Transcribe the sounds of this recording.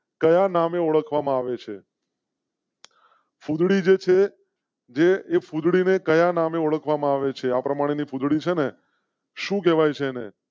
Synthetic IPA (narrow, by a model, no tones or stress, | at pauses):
kəjanameoɭəkʰʋamãaʋet͡ʃʰe | fud̪ɽid͡ʒet͡ʃʰe | d͡ʒeːfud̪ɽinekəjanameoɭəkʰʋamãaʋet͡ʃʰeapɾəmaɽ̃enifud̪ɽit͡ʃʰene | ʃũk̬ɛʋajt͡ʃʰeːnḛ